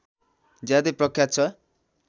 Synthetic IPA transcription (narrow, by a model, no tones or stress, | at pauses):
d͡zjad̪eprʌkʰːjat̪̚t͡sʰʌ